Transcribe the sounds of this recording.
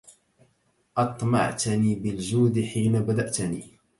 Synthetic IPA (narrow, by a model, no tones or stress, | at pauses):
ʔɑt̪ˤmɑ̰ʕt̪niːbɪld͡ʒuːd̪ɪħiːnabad̪aʔt̪nḭː